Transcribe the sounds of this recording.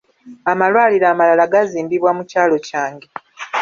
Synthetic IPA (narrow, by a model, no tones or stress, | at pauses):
amalwaːliɾaːmalalaɡaziːmbiβwamucaːlo̞caːŋɡe